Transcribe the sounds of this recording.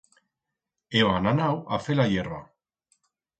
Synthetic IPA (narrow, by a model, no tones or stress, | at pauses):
eoananawa̰felajeɾβa